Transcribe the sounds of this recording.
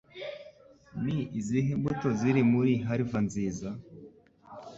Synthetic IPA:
niiziɦembutoziɾimuɾiɦaɾivanziːza

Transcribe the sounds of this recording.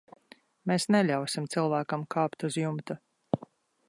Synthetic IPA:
meːsnɛlʲawsimt̪silˠvæːkɐmkʰaːpt̪uzjumt̪u

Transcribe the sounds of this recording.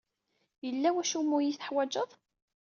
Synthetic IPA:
jəlːæwæʃumːʊjiθə̥ħwæd͡ʒəðˤ

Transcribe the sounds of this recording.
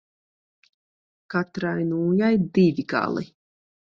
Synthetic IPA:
kat̪ɾajnuːjajd̪ivʲiɡa̰lˠḭ

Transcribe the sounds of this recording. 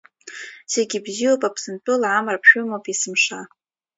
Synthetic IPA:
se̞ɡʲibziwopʼapʰsɨntʼɨlʕamrapʰʃʷᶣʊmopʼisɨmʂa

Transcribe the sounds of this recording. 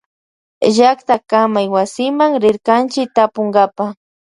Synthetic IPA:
ʒakt̪akamajwasɪmaŋɾɪɾkant͡ʃɪk̚t̪apʊŋɡapa

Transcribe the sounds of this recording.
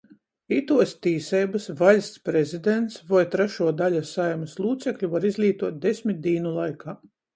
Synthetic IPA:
it̪uɔst̪iːsɛjbasvalʲst̪spɾezid̪ent̪svɔjt̪ɾɛʃuɔd̪alʲasajmɐslˠuːt̪sɛklʲuvaɾizlʲiːt̪uɔt̪̚d̪esʲmʲit̪̚d̪iːnulˠajkʰaː

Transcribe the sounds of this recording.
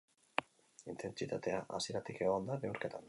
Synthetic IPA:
int̪e̞nt͡sit̪at̪e̞aʔa̰sieɾat̪ikeɣand̪aβeuɾket̪an

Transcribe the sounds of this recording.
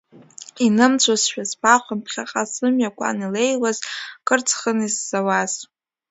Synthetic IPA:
inɨmt͡sʷʰasʃᶣazpʰʼaχʷampʰχʲaqʼasɨmɥakʷʼa̰nilejlazkʼɨrt͡sʰʼχəniz̥ːawaz̥

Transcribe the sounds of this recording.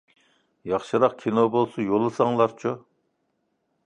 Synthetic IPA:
jɑχʃɨɾɑqkʲʰinobolˠsujolˠːɨsɑŋlˠɑɾt͡ʃʰu

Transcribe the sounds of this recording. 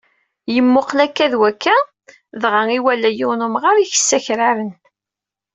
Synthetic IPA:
jəmːʊqlækːæðwækːæ | ðʁaŋiwælːæjʊwnʊmʁaɾiçə̥sːæçɾaɾən

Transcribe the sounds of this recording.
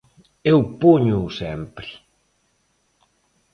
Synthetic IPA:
ewpoɲʊsɛmpɾɪ

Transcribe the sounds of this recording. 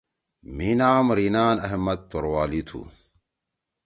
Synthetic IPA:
minaːmɾiːnaːnɐɦmɐd̪̚t̪oɾwaːlit̪ʰṵ

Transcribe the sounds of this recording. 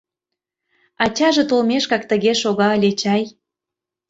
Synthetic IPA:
ɑt͡ɕɑʒĕt̪olmeʃkɑk̚t̪əɣeʃoɣɑəlʲet͡ɕɑj

